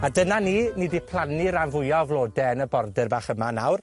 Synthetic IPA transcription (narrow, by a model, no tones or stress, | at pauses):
adənaniːnidipʰlˠanɨɾanvʊjɔvlˠoːdɛənəbɔrdɨrbaːχəmanawr